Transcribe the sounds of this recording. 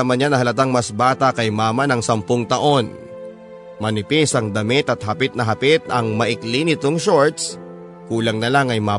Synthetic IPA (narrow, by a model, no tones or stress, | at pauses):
ɐmɐnɲːanɐɦɐlɐt̪̬aŋmɐsbaːt̪ɐkɐjmaːmɐnɐŋsɐmpoŋt̪ɐʔo̞n | mɐnɪpisɐŋd̪ɐmɪt̪ɐt̪̚hɐpɪt̪̚nɐɦɐpɪt̪ɐŋmɐʔɪklinɪt̪o̞ŋʃoɹt̪̚s | kuːlɐŋnɐlaŋɐjma